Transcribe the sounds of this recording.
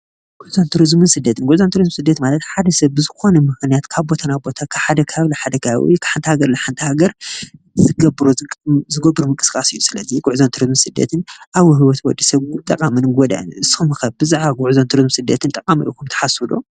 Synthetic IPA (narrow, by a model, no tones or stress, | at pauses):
ɡ̥uʕzont̪ʰuɾizmɨnsɨd̪ːɐt̪ʰɨnɡʷʊʕzont̪ʰuɾizmsɨd̪ːɐt̪malɐt̪ħad̪ɐsɐβbɨzɨxo̞nɐmɨxnijat̪kʰaβbo̞t̪ʰanabo̞t̪ʰakʰaβħad̪ɐkʰaβlɐħad̪ɐkaha̰βḭkʰaħant̪ʰhaɡɐɾlaħant̪ʰɨhaɡɐɾ | zɨɡɐbɾuzɨɡɐbɨɾumɨŋkʼɨ̥sɨ̥kʼasɨjːusɨlɐziɡuʕzont̪ʰuɾizmɨnsɨd̪ːɐ̰t̪ʰɨnʔawɦɨwɔt̪wɔ̰d̪ːisɐβut̪ʼɐkʼamɨnɡod̪a̰ɨ̰nʔɨsxɨmɨxɐβbɨzaʕβaɡʊʕzont̪ʰuɾizmsɨd̪ːɐt̪ʰɨnt̪ʼɐkʼamḭʔukʰumt̪ʰɐ̥ħasud̪o̰